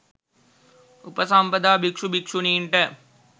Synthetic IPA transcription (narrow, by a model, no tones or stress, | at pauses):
upɐsampɐd̪aːbikʂubikʂuniːɳʈə